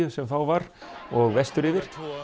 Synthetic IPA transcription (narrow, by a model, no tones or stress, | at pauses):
ʏsɛmθawvaɾɔɣvɛst̪ʏɾɪvɪɾ̥